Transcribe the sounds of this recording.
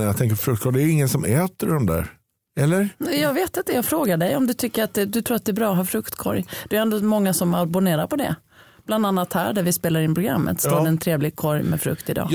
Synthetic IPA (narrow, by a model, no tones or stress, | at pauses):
jat̪ʰɛŋk̬əɾfɾɵkt̪kʰɔɾjɛæɾɪŋːənsɔmɛːt̪əɖɔmd̪æ̰ːɾ | ɛlːəɾnɛjɑːɡveːt̪ɪnt̪ːəjɑːɡfɾoːɡaɖɛjɔmd̪ɵt̪ʰʏkːəɾat̪̚d̪ɛd̪ɵt̪ʰɾuːɾat̪̚d̪ɛːbɾɑːɔɦɑːfɾɵkt̪kʰɔ̰ɾjd̪̥ɛæɾɛnd̪oːmɔŋːasɔmabʊneːɾaɾpʰɔd̪ɛ̰ | b̥land̪anːat̪hæːɖæɾvɪspeːlaɾɪnpʰɾʊɡɾa̰mːə̰t̪st̪oːɖɛːnt̪ʰɾeːvlɪɡ̚kʰɔɾjmɛ̰fɾɵ̰kt̪ɪd̪ɑ̰ː